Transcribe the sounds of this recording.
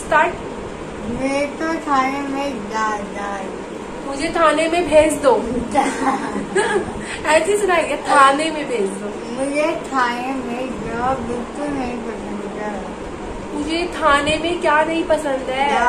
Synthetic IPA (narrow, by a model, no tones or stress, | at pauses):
st̪aːʈ | met̪ot̪ʰaːnemẽd͡ʒaːd̪aːd | mʊd͡ʒʱet̪ʰaːnemẽbʱeːt͡ʃd̪oː | ɛːsisʊnaːiɛt̪ʰaːnemẽbʱeːd͡ʒd̪oː | mʊd͡ʒʱet̪ʰaːnemẽd͡ʒɐmɪlt̪onɐɦĩpɐsə̃nd̪ | ɛː | mʊd͡ʒʱet̪ʰaːnemẽkjaːnɐɦĩpɐsə̃nd̪ɦɛː